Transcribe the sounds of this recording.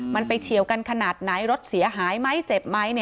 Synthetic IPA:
ma˧npa˧jt͡ɕʰi˨˩əwka˧nkʰa˧naː˨˩t̪̚na˩˦jɾo˦˥t̪̚si˩˦ɐɦaː˩˦jma˦˥jt͡ɕe˨˩p̚ma˦˥jnɛ˧˩

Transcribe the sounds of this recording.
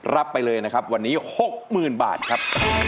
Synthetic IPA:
ɾa˦˥pːa˧jlɤː˧jna˦˥kʰa˦˥p̚wa˧nːiː˦˥ho˨˩k̚mɯː˨˩nba̰ː˨˩t̪̚kʰa˦˥p̚

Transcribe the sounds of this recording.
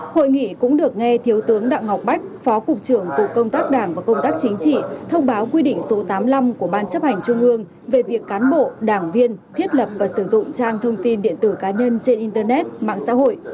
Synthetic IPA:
ho̰˧˨jŋḭ˧˨kʊ̰˧˥ŋ͡mɗɨ˨˩ək̚ŋɛ˧t̪ʰi˨˦əwt̪ɨ˨˦əŋɗa̰ː˧˨ŋɦa˨˩wk͡p̚ɓa˦˥jk̟̚fɔ˨˦kʊ˨˩k͡p̚t͡ɕɨ˧˩əŋku˨˩kːə˧wŋ͡mt̪aː˦˥k̚ɗaː˧˩ŋvaː˨˩kə˧wŋ͡mt̪aː˦˥k̚t͡ɕï˨˦ŋ̟t͡ɕḭ˧˨t̪ʰə˧wŋ͡mɓaː˨˦wkwi˧ɗḭ˧˨ŋ̟so˨˦t̪aː˨˦mla˧mku˧˩əɓaː˧nt͡ɕə˦˥p̚ha˨˩jŋ̟t͡ɕʊ˧ŋ͡mʔɨ˧əŋ | ve˨˩vi˨˩əkːaː˨˦nɓo̰˧˨ɗaː˧˩ŋvi˧ənt̪ʰi˦˥ət̚lə˨˩p̚vaː˨˩sɨ˧˩zʊ̰˧˨ŋ͡mt͡ɕaː˧ŋt̪ʰə˧wŋ͡mt̪i˧nɗḭ˧˨ənt̪ɨ˧˩kaː˨˦ɲə˧nt͡ɕe˧nʔi˧nt̪əː˧nɛ˦˥t̚ma̰ː˧˨ŋsa̰ː˧˥ho̰˧˨j

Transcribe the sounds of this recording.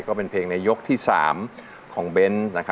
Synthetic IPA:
kɔː˥˩pe˧npʰeː˧ŋna˧jo˦˥k̚t̪ʰiː˥˩sa̰ː˩˦m | kʰɔː˩˦ŋbe˧nna˦˥kʰa˦

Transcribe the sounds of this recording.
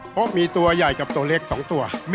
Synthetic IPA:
pʰɔ˦˥miː˧t̪u˧ɐja˨˩jka˨˩p̚t̪u˧ɐ˧le˦˥˩k̚sɔː˩˦ŋt̪u˧ɐm

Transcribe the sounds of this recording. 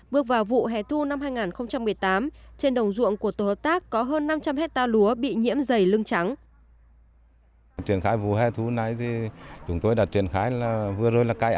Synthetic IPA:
ɓɨ˧˥ək̚vaː˨˩wvṵ˧˨ɦɛ̰˨˩t̪ʰu˧na˧mhaː˧jŋaː˨˩nxə˧wŋ͡mt͡ɕa˧mːɨ˨˩əjt̪aː˨˦mt͡ɕe˧nɗə˨˩wŋ͡mzṵ˧˨əŋku˧˩ət̪o˧˩hə˨˩p̚t̪aː˦˥kːɔ˨˦ɦəː˧nːa˧mt͡ɕa˧mhɛ˦˥k̚t̪aː˧lu˨˦əɓḭ˧˨ɲḭ˧˥əmzə˨˩jlɨ˧ŋt͡ɕa˨˦ŋ | t͡ɕwi˧˩ənxaː˨˦jvṵ˧˨˩ɦɛ˧t̪ʰu˨˦na˨˧˦jt̪ʰi˨˩t͡ɕʊ˨˦ŋ͡mt̪o˧jɗa˨˩t̚t͡ɕwi˨˩ənxaː˨˦jlaː˨˩vɨ˨˩əzo˧˩jlaː˨˩ka˧jʔ

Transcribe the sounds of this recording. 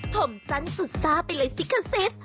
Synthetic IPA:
t̪ʰo˨˩˦msa˧˦˥nsɨ˨˩saː˧˥plə˨˧˦si˧˦˥kʰə˧˩se˦˥t̚

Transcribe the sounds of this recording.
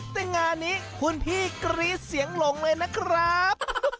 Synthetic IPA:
t̪ɛ˧˩ŋaː˧nːiː˦˥kʰu˧npʰiː˥˩kɾiː˦˥si˨˩˦əŋlo˨˩˦ŋlɤː˧jna˦˥kʰɾa˦˥p̚

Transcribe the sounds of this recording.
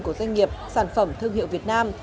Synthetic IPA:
ku˧˩əzwa˧jŋ̟ŋi˨˩əp̚saː˧˩nfə˧˩mt̪ʰɨ˧əŋɦḭ˧˨wvi˨˩ət̚naː˧m

